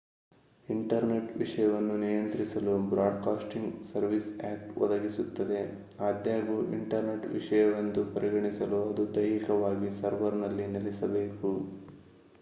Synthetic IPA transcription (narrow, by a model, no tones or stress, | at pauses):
iɳʈɐɾneʈʋiʂɐjɐʋɐnːunijɐnt̪ɾisɐlubɾaːɖkaːsʈiŋɡsɐɾʋisaːpʋɔ̰d̪ɐɡisut̪ːɐd̪e̞ | aːd̪jaːɡuʔiɳʈɐɾneʈʋḭʂɐjɐʋɐnd̪upɐɾiɡɐɳisɐluɐd̪ud̪ɐjɾikɐʋaːɡisɐɾʋɐɾnɐlːinɐlisɐbe̞ːku